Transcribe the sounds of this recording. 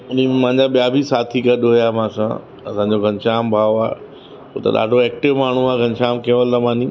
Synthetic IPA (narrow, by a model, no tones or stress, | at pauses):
ʊn̤imãɪ̃ɲd͡ʑaɓijabʱisaːt̪ʰiɡɐɗɦʊjamãːsã̰ | ɐsãːɲd͡ʑoɡʱɐɲʃaːmbʱaːoaːḛ | ɦot̪ɐ̰ɗa̰ːɖʱoɛːk̚ʈɪʋmaːɳ̤uaːɡʱɐ̃nʃaːmkẽʋəlːɐmaːnĩ